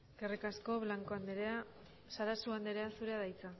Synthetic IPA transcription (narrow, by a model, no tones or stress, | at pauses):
ɡ̥erekasko̞βlaŋkoand̪eɾea | saɾasuand̪eɾe̞asuɾe̞aðajt͡sa